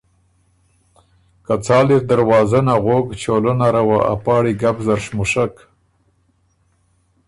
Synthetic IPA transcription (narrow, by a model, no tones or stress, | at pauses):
kat͡sɑːliɾd̪aɾwɑːzanaɣoɡt͡ʃolənaɾawa̰ʔa̰pɑːɽiɡabzaɾʃmʊʂak